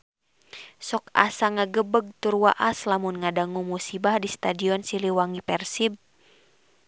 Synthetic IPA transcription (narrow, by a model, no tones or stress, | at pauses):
sɔka̰saŋaɡəbəɡ̚t̪urwaʔaslamunŋadaŋumusibahdist̪adiɔnsiliwaŋipɛrsib̚